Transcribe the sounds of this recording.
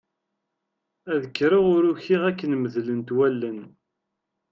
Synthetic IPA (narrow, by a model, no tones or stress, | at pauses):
æðəkːɾiʁʊɾuçiʁækːənməðlənt̪wælːən